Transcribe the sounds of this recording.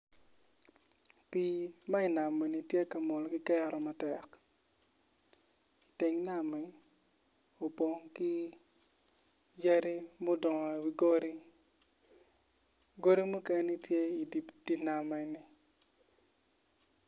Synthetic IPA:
pi˨ma˦ɪ˨na˨mɛ˨ni˨tje˦ka˨mɔ˨lki˦kɛ˦ɾɔ˨ma˨tɛ˨k | i˨te˨ŋna˨mɛ˨ | o˨po˨ŋki˦ | d͡ʒɛ˦ɾi˦mo˦dɔ˨ŋɔ˨wi˨ɡo˦ɾi˦ | ɡo˦ɾi˦mu˦ke˦ni˦tje˦i˨di˨pd̥i˦na˨mɛ˨ni˨

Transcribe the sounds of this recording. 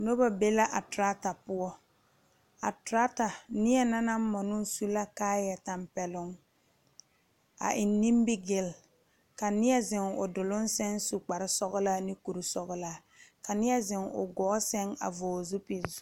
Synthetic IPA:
no˦ba˨be˦la˦ʔa˨tɾa˦ta˨pʊ˦ɔ˦ | a̰˨tɾa˦ta˨nɪ˦ɛ˦na˦na˦m˦mɔ˨nʊ˦su˦la˦kaː˦jɛ˨ta˨mpɛ˨lʊ˦ŋ | a̰˨ʔɪ˨nːi˦mbɪ˦ɡɪ˦l | ka˨nɪ˦ɛ˦zɪ˨ŋʊ̰˨dʊ˨lʊ˦n˦sɛ˦nsu˨k͡pa˨ɾɪ˦sɔ˦ɣʊ˦la˦nɪ˦ku˨ɾu˨sɔ˨ɣʊ˦laː˦ | ka˨nɪ˦ɛ˦zɪ˨ŋʊ̰˨ɡɔː˨˦sɛ˦ŋa̰˨vɔː˨zu˦pi˨z

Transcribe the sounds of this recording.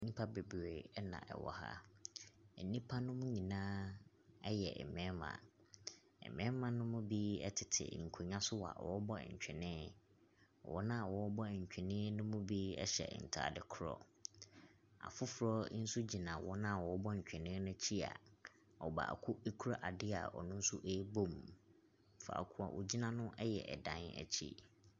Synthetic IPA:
nĩ˦pʰa˦be˨bɾe˨ɛ˦nã̰˨ʔɛ̰˨wɔ̰˨ha̰˦ | ɛ˨nĩ˦pʰa˦nʊ̃˦mʊ̃˦ɲĩ˨nãː˦ | ɛ˦jɛ˨ʔɛ̰˨mɛ̃˦mã̰˨ | ɛ̰˨mɛ̃˦mã˨nʊ̃˦mʊ̃˦bi˦ɛ̰˦tʰɪ˨tʰɪ̰˨ŋ̩˨kʰo˨ɲã˦sʊ˦wa̰˨wɔ˨˦bɔ̰˦˨ɲ̩˨t͡ɕᶣɪ˨nɪ̃˦˨ | wɔ˦nã˦˨wɔ˨˦ɔ˦bɔ˦˨ɲ̩˨t͡ɕᶣɪ˨nɪ̃˦nʊ̃˦mʊ̃˦bi˦ɛ̰˦ɕɛ̰˨n̩˨tʰa̰˨dɪ˨kʰʊ˦ɾɔ̰˦ | a̰˨fʊ˦fʊ˨ɾɔ˦n̩˦su˦d͡ʑi˨nã˨wɔ˦nã˦˨wɔ˨ɔ˦bɔ˦ɲ̩˨t͡ɕᶣɛ̃˨nɪ̃˦nʊ̃˦t͡ɕʰi˦a̰˨ | ɔ˨ba̰˨a̰˨kʰʊ˦e˦kʰu˦ɾa˦ʔa˨dɪ˦a̰˨ɔ̰˨nʊ̃˦n̩˦sʊ˦ʔe˦bo˦m | fa̰˨kʰʊ˦a˨wʔo˨d͡ʑi˦nã˨nʊ̃˦ʔɛ˦jɛ˨ʔɛ̰˨dã̰˨˦nɛ̰˨t͡ɕʰḭ˦

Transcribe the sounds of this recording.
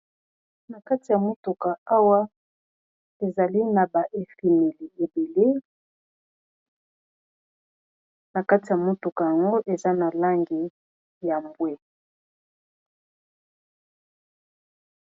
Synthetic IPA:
na˨ka˦ti˨ja˨mo˦tu˨ka˨a˦wa˦ | e˨za˨li˦na˨ba˨ʔe˨fi˨me˨li˨e˨be˨le˦ | na˨ka˦ti˨ja˨mo˨tu˨ka˨ja˨ŋɡo˦ʔe˨za˦na˨la˦ŋɡi˨ | ja˨mbwɛ˦

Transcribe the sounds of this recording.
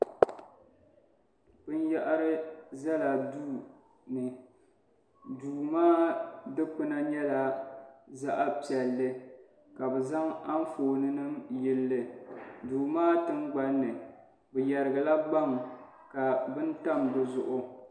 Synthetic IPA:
bɨ˦n˦ja˦ʔa˦ɾɨ˦za˦la˨duː˦ | nɨ˨ | duː˨maː˦dɨ˦k͡pɨ˦na˦ɲɛ˦la˨ | za˦ʔa˦pi˨ɛ˨lːɨ˦ | ka˨bɛ˨za˦ŋa˦n˦foː˨nɨ˦nɨ˦mjɪ˦lːɨ˨duː˨maː˦tɨ˦mɡ͡ba˦nːɨ˨ | bɛ˨jɛ˨ɾɨ˨ɡɨ˨la˦ɡ͡ba˦ŋ | ka˨bɨ˦n˦ta˦˨mbɨ˨zʊ˨ʔʊ˦

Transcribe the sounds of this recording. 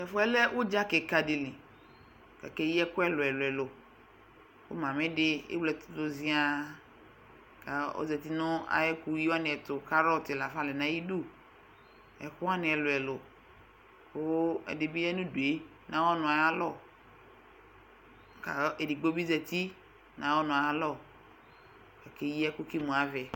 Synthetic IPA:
ɛ˨fo˦ɛ˦lɛ˦wʔo˦d͡ʒa˦ke˨ka˨di˨lĩ˨ | ka̰˨ke˦ji˦ɛ˦kʊ˦ɛ˦lʊ˨ɛ˨lʊ˨ɛ˨lʊ˨ | wo̰˦mã˨mẽ˦ɖɪ˦ḛ˦wlɛ˨t̪ʊ̥˦d̪o˨zi˦a˦ | ka˨o̰˦zɛ˨t̪i˦nʊ̃˦a̰˨jɛ˦ku˨ji˦wa˦nɪ̃˨ɛ˨t̪ʊ˨ka˦ɾɔ˦˨t̪ɪ˨la˨fa˦le˨nã˦ji˦du˦ | ɛ˨xʊ˦a˦nɪ̃˨ɛ˨lʊ˨ɛ˨lʊ˨ | ko˦ɛ̰˨de˨bi˦ɛ˦nũ˦du˨e˦ | nã˦wɔ˦nʊ̃˨a˨ja˦lɔ˦˨ | ka˨˦e˨di˨ɡ͡bo˦bi˦zɛ˨t̪i˦ | nã˨wɔ˦nʊ̃˨a˨˦lɔ˨ | ɛ˨ke˦ji˦ɛ˦ku˦ki˦mũ˨a˨vɛ˨

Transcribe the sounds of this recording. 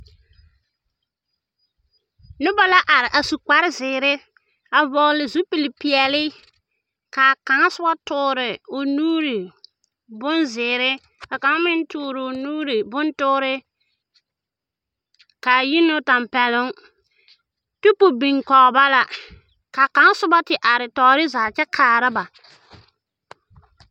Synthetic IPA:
nʊ˦ba˦la˦ʔa˨ɾɪ˨ʔa˨su˨k͡pa˦ɾɪ˦zɪː˨ɾɪ˦ | a˨vɔ˨ɣlɪ˨zu˦pi˨lɪ˨pi˨ɛ˨lɪ˦ | kaː˨ka˨ŋa˦sʊ˦a˦tʊː˨ɾɪ˨ʊ˨nuː˦ɾi˨ | bʊ˦nzɪː˨ɾɪ˦ | a˨ka˨ŋa˦mɪ˦n˦tʊː˦ɾɪ˨ʊ˨nuː˦ɾi˨bʊ˦ntʊː˦ɾɪ˦ | kaː˨ji˦nʊ˦ta˨mpɛ˨lʊ˦ŋ | tu˦pu˨bi˨ŋkɔ˨ɣba˦la˨ | ka˨ka˨ŋa˦sʊ˦ba˦tɪ˨ʔa˨ɾɪ˨tɔː˨˦ɾɪ˦zaː˨t͡ʃɛ˦kʰaː˨ɾa˦ba˨

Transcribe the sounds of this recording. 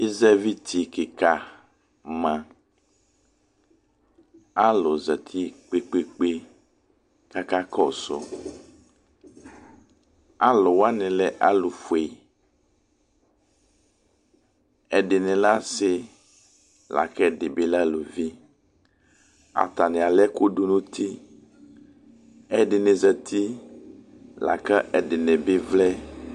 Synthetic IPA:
i˦zɛ˦vi˦t̪ʰi˨kɪ˨ka˨ | mã˨ | a˦lʊ˨zɛ˨t̪ʰi˦k͡pe˦k͡pe˦k͡pe˦ | ka˦ka˦kɔ˦˨sʊ̰˨ | a˦lʊ˨wa˦nɪ̃˨lɛ˦ʔa˦lʊ˨fu˨e˨ | ɛ˨ɖɪ˨nɪ̃˨la˦sɪ˨ | la̰˨kɛ˦˨ɖɪ˨be˨˦la˦lo˨vi˦ | a̰˨t̪a˨nɛ̃˨a˨lɛ˦ko˦du˦nũ˦t̪ʰi˦ | ɛ˦ɖɪ˨nɪ˨zə˨t̪ʰi˦ | la̰˨kɛ˦ʔɛ˨ɖɪ˨nɛ˨bɪ˦vlɛ˦

